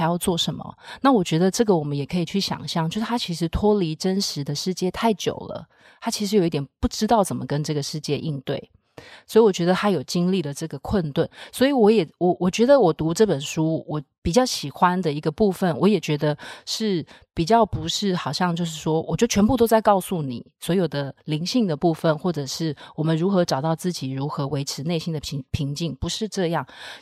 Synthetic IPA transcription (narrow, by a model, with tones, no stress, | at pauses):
ɪjɑ˥˧ʊt͡swɔ˥˩ʂə˧˦nmə̰˨na˥˩wɔ˨˩t͡ɕɥɛ˧˥d̪ə˧ʈ͡ʂɤ˥˩ɡə˩wɔ˨˩mə˦njɛ˨˩kʰɤ˧˥i˨˩t͡ɕʰy˥˩ɕjɑ̰˨˩ŋɕjɑ˥ŋt͡ɕjo˥˧ʊʂt̪ʰa˥t͡ɕʰi˧˥ʂɻ̩˧˥t̪ʰwɔ˥li˧˥ʈ͡ʂə˦˥nʂɻ̩˧˦d̪ə˨ʂɻ̩˥˧t͡ɕjɛ˥˧t̪ʰa˥˩ɪt͡ɕjo̰˨˩ʊlə̰˦ | t̪ʰa˥t͡ɕʰi˧˥ʂɻ̩˧˥ji˥t̪jʲɛ˨˩npu˥˩ʈ͡ʂɻ̩˥t̪ɑ˥˩ʊt͡sə˨˩nmə˦kə˦nʈ͡ʂɤ˥˩ɡə˩ʂɻ̩˥˧t͡ɕjɛ˥˧ʔi˥˧nt̪wḛ˥˩ɪ | swo˧˥i˨˩wɔ˨˩t͡ɕɥɛ˧˥d̪ə˧t̪ʰa˥jo˨˩ʊt͡ɕi˥ŋli˥˩d̪ə˩ʈ͡ʂɤ˥˩ɡə˩kʰwə˥˧nt̪wa˥˩nswɔ˧˥i˨˩wɔ˧˥jɛ˨˩wɔ˨˩wʔɔ˨˩t͡ɕɥɛ˧˥d̪ə˧wɔ˨˩t̪u˧˥ʈ͡ʂɤ˥˩pə˨˩nʂu˥wɔ˨˩pi˨˩t͡ɕjɑ˥˩ʊɕi˨˩xwa˦nd̪ə˨i˧˥ɡə˧pu˥˧fə˨˩nwɔ˧˥jɛ˨˩t͡ɕɥɛ˧˥d̪ə˧ʂɻ̩˥˩ | pi˨˩t͡ɕjɑ˥˩ʊpu˧˥ʂɻ̩˥˩xɑ˨˩ʊɕjɑ˥˧ŋt͡ɕjo˥˧ʊʂ̬ɻ̩˥˩ʂwɔ˥wʔɔ˨˩t͡ɕjo˥˩ʊt͡ɕʰɥɛ˧˥npu˥˧t̪̬o˥ʊt͡sa˥˧ɪkɑ˥˧ʊsu˥˩nḭ˨˩˦swɔ˧˥jo˨˩ʊd̪ə˦li˧˥ŋɕi˥˩ŋd̪ə˩pu˥˧fə˨nxwɔ˥˩ʈ͡ʂɤ˨˩ʂɻ̩˥˩wɔ˨˩mə˦nɻu˧˥xɤ˧˥ʈ͡ʂɑ˨˩ʊt̪ɑ˥˧ʊt͡sɹ̩˥˩t͡ɕi˨˩ɻu˧˥xɤ˧˥we˧˥ɪʈ͡ʂʰɻ̩˧˥ne˥˩ɪɕi˥nd̪ə˨˧˥pʰi˧˥ŋt͡ɕi˥˩ŋpu˧˥ʂɻ̩˥˧ʈ͡ʂɤ˥˧jɑ˥˩ŋ